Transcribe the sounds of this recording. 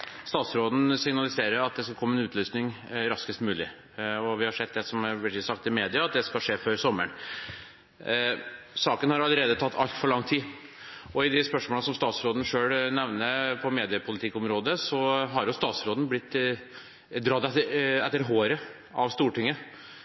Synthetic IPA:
st̪ɑːt̪sɾoːd̪n̩sɪŋnɑlɪseːɾəɾɑt̪̚d̪ɛskɑlkʰɔmːəɛnʉːt̪ʰlyːsnɪŋɾɑskəst̪mʉːlɪ̰ | ɔʋɪhɑʂɛd̪̚d̪ɛsɔmæɾʋɪɾklɪsɑkt̪ɪmeːd̪ɪɑɑt̪̚d̪ɛskɑʂeːføːɾsɔmːə̰ɳ | sɑːkənhɑɾɑlːəɾeːd̪ət̪ʰɑt̪ːɑlt̪fɔɭɑŋːt̪ʰiː | ɔɪd̪ɪspœʂmoːləsɔmst̪ɑːt̪sɾoːd̪n̩ʂøːɽnɛʋnəpʰɔmeːd̪ɪəpʰʊlɪt̪ʰɪkːɔmɾoːd̪əsɔɦɑɾjʊst̪ɑːt̪sɾoːd̪nblɪt̪ː | d̪ɾɑːd̪ɛɛt̪ːəɾɦoːɾə | ɑʋst̪uːʈɪŋːə

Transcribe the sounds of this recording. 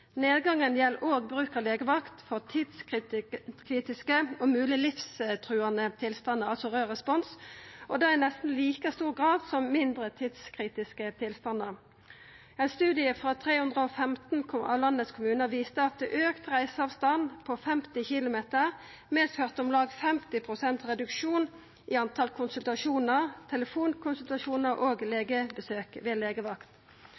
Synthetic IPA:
neːd̪ɡɑŋənjɛlʔoːɡ̚bʁʉːkəʁleːɡəʋɑkt̪fɔʁt̪ʰiːd̪s | kʰʁiːt̪ɪskəomʉːlɪlɪfst̪ʰʁʉːɑnət̪ʰɪlst̪ɑnəɑlsɔʁøːʁɛspɔnsʔɔd̪ɛːænɛst̪n̩liːkəst̪uːʁɡʁɑːd̪sɔmmɪnd̪ʁət̪ʰiːd̪skʰʁiːt̪ɪskət̪ʰɪlst̪ɑnːəʁ | ɛɪnst̪ʉːd̪ɪəfʁɑːt̪ʰʁeːhʉnd̪ʁəoːfɛmt̪n̩kʰɑ̰lɑnːətskʰʊmʉːnəʋiːst̪əɑt̪̚d̪ɛːʔøːkt̪ʁæɪsəɑʋst̪ɑnpʰoːfɛmt̪ɪçɪlʊmeːt̪əʁ | mɛːst̪høʁt̪ʊmlɑːɡfɛmt̪ɪpʰʁʊsɛnt̪ʁɛd̪ʉkʃuːn | iːɑnt̪ʰɑlkʰʊnsʉlt̪ɑʃuːnəʁt̪ʰɛləfuːnkʰʊnsʉlt̪ɑʃuːnəʁʔoːɡleːɡəbəsøːkʋeːleːɡəʋɑkt̪

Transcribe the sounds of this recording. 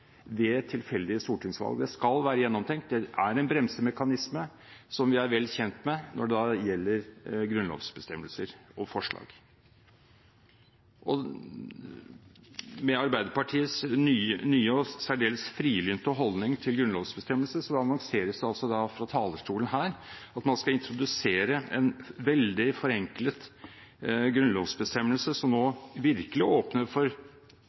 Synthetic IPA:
d̪ɛt̪ʰɪlfɛld̪ɪəst̪uːʈɪŋsʋɑ̰lˠɡəd̪ɛskɑlʋæːɾəjɛnːɔmt̪ʰɛŋkt̪̚d̪ɛʔæɾɛnbɾɛmsəmɛkɑnɪsmə | sɔmʋɪæɾʋɛlːçɛnt̪mɛnʔɔ̰ɖɛd̪ɑjɛlːəɾɡɾʉnlo̰ːʋsbəst̪ɛmːəlsəɾɔfɔʂɭɑ̰ːɡ̥ | ʔɔ | mɛɑɾbæɪd̪əɾpɑʈʰiːəsnyːnyːəɔsæɖeːləsfɾiːlynt̪əɔɦɔld̪nɪŋt̪ʰɪlɡɾʉnlɔʋsbəst̪ɛmːəlsəsɔɑnɑŋseːɾəsd̪ɛɑlsɔd̪ɑfɾɑt̪ʰɑːləʂʈuːlənɦæːɾɑt̪mɑnskɑɪnt̪ʰɾʊd̪ʉseːɾəɛnʋɛld̪ɪfɔɾɛŋklət̪ | ɡɾʉnlɔʋsbəst̪ɛmːəlsəsɔmnoːʋɪɾkəlɪoːpnəfɔɾ

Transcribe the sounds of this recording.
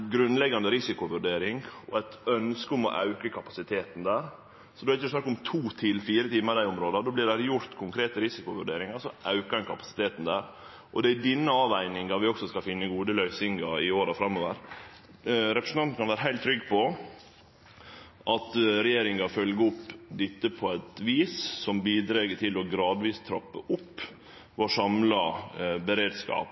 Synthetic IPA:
ɡɾʉnːlɛɡɑnd̪əɾɪsɪkʊʋʉɾɖeːɾɪŋɔæɪt̪œnskəʊmɔ̰ʔɑ̰ʉkəkʰɑpɑsɪt̪ʰeːt̪n̩d̪æːɾ | sɔd̪ɛhɪçəɛsnɑkːʊmt̪ʰuːt̪ʰɪlfiːɾət̪ʰiːməd̪æɪʊmɾoːd̪ɑd̪oːblɪɖæɾjʊɾt̪kʰʊŋkʰɾeːt̪əɾɪsɪkʊʋʉɖeːɾɪŋɑɾsɔʔɑʉkəd̪ɛnkʰɑpɑ̥sɪ̥t̪ʰeːt̪n̩d̪æːɾ | ʔɔd̪ɛæd̪ɪnːəɑːʋæɪnɪŋd̪ɑʋɪɔksɔskɑfɪnːəɡuːd̪əlœʏsɪŋɡɑɪoːɾɑfɾɑmːoːʋəɾ | ɾɛpɾəsn̩ʰɑnn̩kɑnʋæːɾəɦæɪlt̪ʰːɾʏɡːpʰɔ | ʔɑt̪ɾɛjeːɾɪŋɑfœlɡəʊpːd̪ɪt̪ːəpʰɔæt̪ʋiːssɔmbiːd̪ɾeːɡət̪ʰɪlɔɡɾɑːd̪ʋiːst̪ʰɾɑpːəʔʊpː | ʋoːʂɑmlɑbəɾeːd̪skɑ̰ːp

